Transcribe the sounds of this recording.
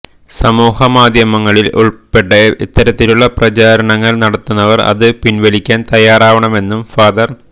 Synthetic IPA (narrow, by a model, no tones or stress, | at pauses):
sɐmuːhɐmaːd̪ʱjɐmɐŋːɐɭilṵɭpe̞ʈːɐḭt̪ːɐɾɐt̪ːiluɭːɐprɐt͡ɕaːɾɐɳɐŋːɐɭnɐɽɐt̪ːunːɐʋɐrɐ̰ðɨpinʋɐlikʲːaːnt̪ɐjaːraːʋɐɳɐme̞nːumfaːd̪ɐr